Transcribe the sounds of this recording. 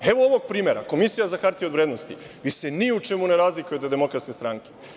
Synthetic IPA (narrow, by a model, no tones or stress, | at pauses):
e̞ʋooʋoɡ̚pɾiːme̞ɾa̰ko̞misijazaxaɾt̪iod̪ʋɾeːd̪nost̪ḭ | ʋiseniut͡ʃemune̞ɾaːzlikujed̪ed̪emo̞kɾat̪skest̪ɾaːŋke̥